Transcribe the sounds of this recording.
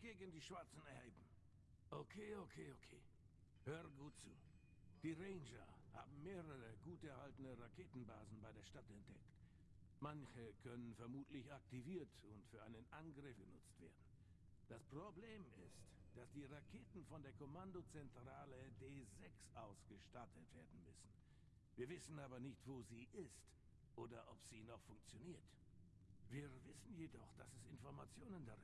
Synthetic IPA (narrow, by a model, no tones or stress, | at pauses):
ɡ̥eːɡn̩diːʃv̥aɐt͡sn̩ʔɛɐbm̩ | ʔokʰeːokʰeːokʰeː | høːʁəɡuːtt͡suː | d̥iːʁeɪnʒɐha̰ːbm̩meːʁəʁəɡuːtɛɐhaltənəʁakʰeːtn̩ba̰ːzn̩baɪdeːɐʃtatɛnt̚d̥ɛkt | mançəkʰœnənfɛɐmuːtʰlɪçak̚tiviːɐtʊntfyːɐʔaɪnənʔanɡʁɪfɡ̥ənʊt͡stv̥eːɐdn̩ | d̥aspʁ̥obleːmɪstd̥asd̥iːʁakʰeːtn̩fɔndeːɐkʰomandot͡sɛntʁ̥aːlədeːzɛksʔaʊsɡ̥əʃtatʰətv̥eːɐdn̩mʏsn̩ | viːɐvɪsn̩aːbɐnɪçtv̥oːziːʔɪst | ʔoːdɐʔɔpz̥iːnɔχfʊŋk̚t͡sjoniːɐt | viːɐvɪsn̩jedɔχd̥asɛsɪnfɔɐmat͡sjoːnəndaʁɪ